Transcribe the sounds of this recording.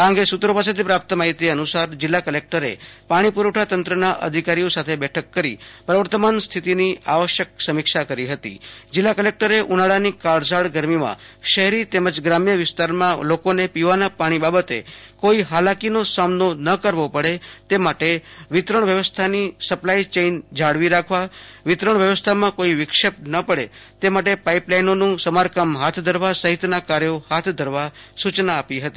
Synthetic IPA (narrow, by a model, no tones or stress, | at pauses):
ãŋɡesut̪ɾopas̬et̪ʰipɾap̚t̪əmaɦit̪jəənusaɾd͡ʒɪlːakəlek̚ʈəɾḛpaɽ̃ipuɾəʈʰat̪ənt̪ɾənaʔə̰d̪ʱikaɾijosat̪ʰebɛʈʰəkːəɾḭpɾəʋəɾt̪əmanst̪ʰit̪inia̰ʋəʃjəksəmikʃakəɾiɦət̪ḭd͡ʒɪlːakəlek̚ʈəɾeʔunaɭanikaɭsaɭɡəɾmimã̰ʃəɦɾit̪eməd͡ʒɡɾamjəʋɪst̪aɾmãlokonepiʋanapaɽ̃ibabət̪ḛkoiɦalakinosamnonəkəɾʋopəɽet̪emaʈeʋɪt̪ɾəɳ̃ʋjəʋəst̪ʰanisəplait͡ʃeind͡ʒʱaɽʋiɾakʰʋaʋɪt̪ɾəɳʋjəʋəst̪ʰamãkoiʋɪkʃəpnəpəɽet̪emaʈ̬epaiplainonũsəmaɾkəmɦat̪ʰd̪ʱəɾʋasəɦɪt̪nakaɾjohat̪ʰd̪ʱəɾʋasut͡ʃnaːpiɦət̪i